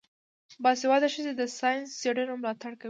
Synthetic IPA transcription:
bɑsewɑd̪aʃəzed̪əsɑjɪnsːeɽənomlɑt̪aɽka

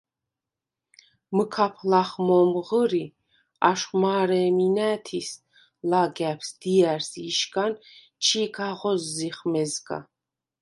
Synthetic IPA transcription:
məkʰapʰlaχmɔmʁəɾi | aʃχmaːɾɛːminæːt̪ʰis | laɡæpʰsd̪̥iæɾsiʃkʼan | t͡ʃʰiɡʰaʁɔzːiχmɛzɡa̰

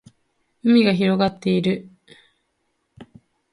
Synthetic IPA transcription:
ɯ̟mʲiɡaçiɾo̞ɡat̪ːe̞iɾɯ̟

